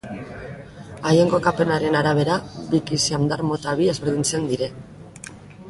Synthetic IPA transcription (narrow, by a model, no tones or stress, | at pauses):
ajeŋɡo̞kape̞naɾe̞naɾaβ̞e̞ɾaβikisiamd̪aɾmo̞t̪aβiezβe̞ɾð̞int͡se̞nd̪iɾe̞